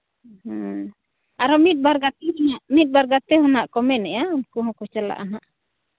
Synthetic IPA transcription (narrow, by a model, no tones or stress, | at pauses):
h̩ | aɾɔmit̪̚ˀbaɾɡat̪ɛɦnaʔmit̪̚ˀbaɾɡat̪ɛɦɔnaʔkɔmɛnɛjankuɦɔ̃kɔt͡ʃala̰ʔaɦaʔ